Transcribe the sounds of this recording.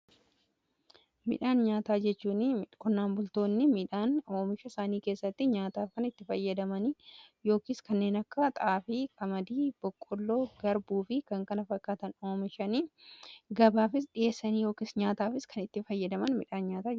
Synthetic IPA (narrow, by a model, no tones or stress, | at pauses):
mɪ̰ᶑaːnɲaːt̪aːd͡ʒɛt͡ʃːuːnkʊnːaːnbʊlt̪o̞ːnːɪmɪᶑaːnoːmɪʃɐsaːniːke̞ːsːɐt̪ːɪɲaːt̪aːfkɐnɪt̪ːɪfɐjːɐd̪ɐmɐnijo̞ːkɪːskɐnːe̞ːnɐkːɐt̪ʼɐaːfɪkɐmɐd̪iːb̥ɔkʼːʊlːo̞ːɡɐɾbuːfɪkɐŋkɐnɐfɐkːaːt̪ɐno̞ːmɪʃɐni | ɡɐbaːfɪsɗɪʔe̞ːsːɐnijo̞ːkisɲaːt̪aːfɪskʰɐnɪt̪ːɪfɐjːɐd̪ɐmɐnmɪᶑaːnɲaːt̪aː